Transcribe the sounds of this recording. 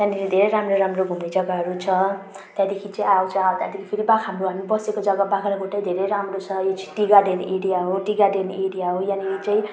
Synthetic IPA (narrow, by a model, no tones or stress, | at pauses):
t̪ãneid̪ʱeɾejɾamroɾamroɡʱumed͡zʌɡaɦʌɾut͡sʰʌ | t̪jãd̪ekʰit͡saĩawt͡sʰʌawt̪jãd̪ekʰi̥pʰiɾibakʰɦamroɦamibʌsekod͡zʌɡabakʰaɾaɡʱoʈajd̪ʱeɾejɾamrot͡sʰʌjot͡siʈiɡaɖenʔeɽijaɦoʈiɡaɖeneɽijaɦojanijot͡saĩ